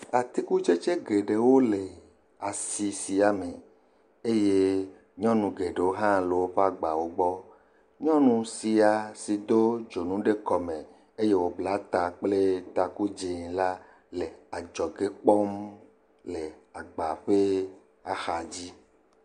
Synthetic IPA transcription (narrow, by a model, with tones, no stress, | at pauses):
a˨t̪i˦ku˦t͡ʃe˦t͡ʃe˦ɡe˨ɖe˨wo˦le˨ | a˨si˨si˨a˨mẽ˨ | e˦je˦ | ɲɔ̃˦nũ˨ɡe˨ɖe˨wo˦ɦã˦lo˨wo˦ɸe˦a˦ɡ͡ba˨wo˦ɡ͡bɔ˦ | ɲɔ̃˦nũ˨si˨a˨si˨d̪o˦d͡ʒo˨nũ˦ɖe˦kɔ˨mẽ˨ | e˦je˦wo˨bla˨˦t̪a˨k͡ple˦t̪a˨ku˦d͡ʒe˨ŋla˦ | le˨a˨d͡ʒɔ˨ɡe˦k͡pɔ˦m | le˨a˨ɡ͡ba˨ɸe˦ | a˨xa˨d͡ʑi˦